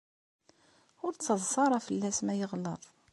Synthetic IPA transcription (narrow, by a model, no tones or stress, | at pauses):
ʊɾt͡sːəzˤːɑɾˤɑfəlːæsmæjəʁlːəðˤ